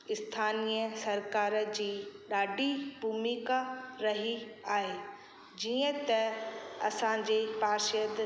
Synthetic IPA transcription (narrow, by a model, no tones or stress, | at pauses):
ɪst̪ʰaːnijəsɐɾkaːɾd͡ʑiːɗaːɖʱibʱuːmikaɾɐɦiaːɦe | d͡ʑiə̃t̪ɐɐsãd͡ʑeːpaːʃjəd̪